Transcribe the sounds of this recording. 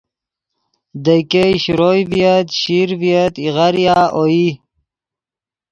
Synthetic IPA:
d̪əjkeɕɾojvijət̪ɕiɾvijət̪iʁaɾjaːoi

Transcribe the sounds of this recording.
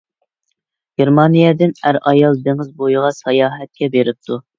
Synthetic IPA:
ɡ̥ʲeɾmɑnijɛd̪ɪnæɾɑjɑlˠd̪eŋɪzbojʁɑsɑjɑːɦɛt̪̚kʲɛbeɾɪp̚t̪ʰu

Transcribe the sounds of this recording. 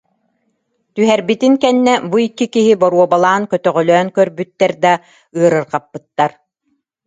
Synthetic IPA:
t̪yɦɛɾbit̪iŋkɛnːɛbuikːikiɦibɔɾuɔbalˠaːnkœt̪œʁœlœːnkœɾbyt̪ːɛɾd̪a | ɯɐɾɯɾqapːɯt̪ːaɾ

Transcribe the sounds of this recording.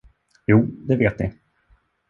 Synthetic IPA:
juːd̪ɛveːt̪nɪ̰

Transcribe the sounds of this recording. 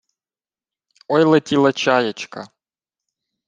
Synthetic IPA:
ɔjlˠɐtʲilˠɐt͡ʃajɐt͡ʃkɐ̰

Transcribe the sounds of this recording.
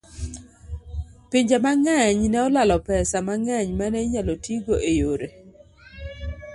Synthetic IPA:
piɲd͡ʒemaŋaɲnɛɔlalɔpɛsamaŋɛɲmanɛɲalɔtʰiɡoʔejoɾe

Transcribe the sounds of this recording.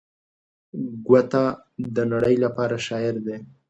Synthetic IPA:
ɡwat̪a | d̪ənaɽəjlapɑɾaʃɑɪɾd̪e

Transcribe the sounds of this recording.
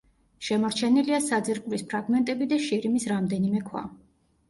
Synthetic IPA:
ʃɛmɔɾt͡ʃʰɛniliasad̪ziɾkʼuɾispʰɾaɡmɛnt̪ʼɛbid̪aʃiɾimisɾamd̪ɛnimɛkʰwa̰

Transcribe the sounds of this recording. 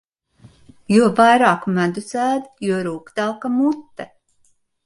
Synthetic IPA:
juɔvajɾaːkumæd̪uzæːd̪juɔɾuːkd̪alkamut̪ːɛ

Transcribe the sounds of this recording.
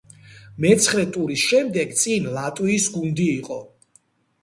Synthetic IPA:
mɛt̪sʰχɾɛt̪ʼuɾisʃɛmd̪ɛɡt̪sʼinlat̪ʼwiːsɡund̪iːqʼɔ

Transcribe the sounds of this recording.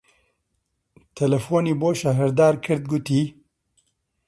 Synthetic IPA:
t̪ʰɛlɐfoːniːboːʃɐɦɨɾd̪aːɾkʰɨɾd̪̚ɡʊt̪iː

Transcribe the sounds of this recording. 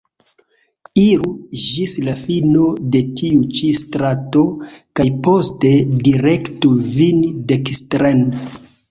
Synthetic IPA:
iɾud͡ʒislafinode̞tʰiut͡ʃistɾato̞kajpo̞ste̞diɾektuvindekstɾen

